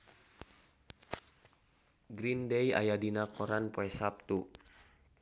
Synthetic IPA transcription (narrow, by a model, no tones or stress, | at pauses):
ɡɾindɛja̰jadinakʰɔɾanpɔɛsap̚t̪u